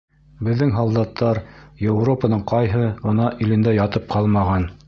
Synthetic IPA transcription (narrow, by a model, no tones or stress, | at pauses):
bɘ̆ðːɘŋɦɑlˠd̪ɑt̪ʰːɑɾjewropənɤɴqɑjɦɤʁɤ̆nɑʔilɘ̆nd̪æjɑt̪ɤp̚qʰɑlˠmɑʁɑn